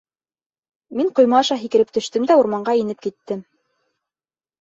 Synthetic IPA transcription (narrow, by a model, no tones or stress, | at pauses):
miŋqŏjmɑɑʃɑɦikɘ̆ɾɘp̚t̪ɵ̆ʃt̪ɘmd̪æuɾmɑɴɢɑinɘp̚kit̪ːɘm